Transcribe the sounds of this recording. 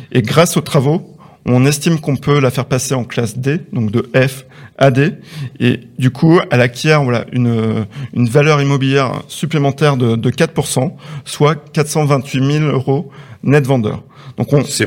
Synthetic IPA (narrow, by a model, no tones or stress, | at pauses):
eɡʁasot̪χavo | ɔ̃nɛst̪imkɔ̃pʰølafɛʁpaseɑ̃klasd̪ed̪ɔ̃kd̪əʔɛfad̪eḛd̪ykʰuɛlakʲʰjɛʁvwala̰ʔynøynvalœʁimɔbiljɛʁ̰syplemɑ̃t̪ɛʁd̪əd̪əkat̪puʁsɑ̃swakat̪sɑ̃vɛ̃t̪ɥimiløʁonɛt̪vɑ̃d̪œ̰ːʁ | dd̪̥ɔ̃kɔ̃